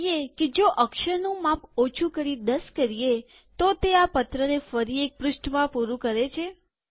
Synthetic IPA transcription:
jeked͡ʒoʔəkʃəɾnũmapot͡ʃʰũkəɾid̪əskəɾije | t̪ot̪eapət̪ɾənefəɾiek̚pɾʊʃʈmãpuɾũkəɾet͡ʃʰe

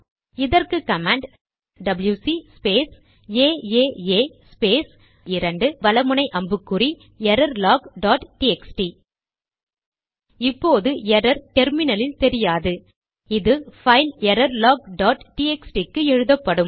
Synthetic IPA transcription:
ɪðɐrkɯkɐmeːɳɖ | ɖɐbɐljusispeːs | eːeːeːspeːs | ɪɾɐɳɖɯʋɐlɐmɯɳɐɪʔɐmbɯkːɯri | ɛɾɐɾlaːɡɖaːʈʈiɛksʈi | ɪpːoːðɯɛɾɐɾʈɛɾmɪnɐlɪlt̪ɛɾɪjaːðɯ | ɪðɯfɐɪlɛɾɐɾlaːɡ̚ɖaːʈʈiːɛksʈikːɯɛɻɯðɐpːɐɽɯm

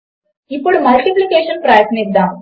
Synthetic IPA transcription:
ipːoːɭmɐlʈiplikːeːʂɐnpraːjsneɾd̪aː

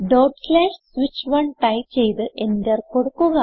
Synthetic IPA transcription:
ɖoːʈflaːʂsʋit͡ɕːʋɐɳʈɐjt͡ɕe̞jt̪ɨʔendɐrkoɽukːuɣɐ

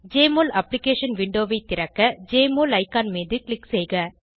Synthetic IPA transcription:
d͡ʒeːmoːlɐpːlɪkeːʂɐnʋɪɳɖoːʋɐɪt̪ːɪɾɐkːɐd͡ʒeːmoːlɐɪkːaːnmeːðɯkɭɪksɛjɣɐ

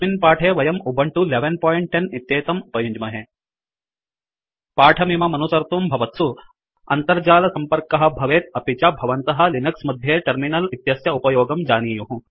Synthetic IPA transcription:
minpaːʈʰeːʋɐjɐmubʱɐɳʈuleʋenpoːjɳʈ̚ːenit̪jeːt̪ɐmupɐjuɲd͡ʒmɐɦe | paːʈʰɐmimɐmɐnusɐɾt̪umbʱɐʋɐt̪su | ɐnt̪ɐɾd͡ʒaːlɐsɐmpɐɾkɐɦɐ̆bʱɐʋeːt̪̚ɐpit͡ʃɐbʱɐʋɐnt̪ɐɦɐ̆linɐksmɐd̪ʱjeːʈɐɾminɐlit̪jɐsjɐupɐjoːɡɐmd͡ʒaːniːjuɦũ

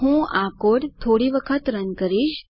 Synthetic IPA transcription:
ɦũakoɽt̪ʰːoɽiʋəkʰət̪ɾənkəɾiʃ

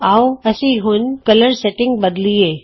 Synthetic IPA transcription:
aːoɐsĩɦʊnkɐləɾseʈɪ̃ŋɡ̚bəd̪lieː

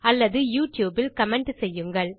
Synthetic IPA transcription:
ɐlːɐðɯjuːʈjuːbɪlkɐmɛɳʈsɛjːɯŋɡɐɭ

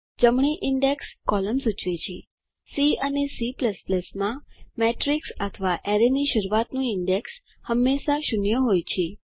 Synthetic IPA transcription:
d͡ʒəmɳ̃iʔɪɳɖekskɔləmsut͡ʃʋet͡ʃʰe | siənesipləspləsmãmeʈɾiksət̪ʰəʋaʔeɾeniʃəɾuʋat̪nũɪɳɖeks | həmːeʃaʃunjəɦojt͡ʃʰe

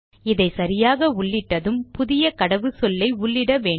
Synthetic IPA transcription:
ɪðɐɪsɐɾɪjaːɣɐʊɭːɪʈːɐðɯmpʊðɪjɐkɐɽɐʋɯsɔlːɐɪʊɭːɪɽɐʋeːɳ

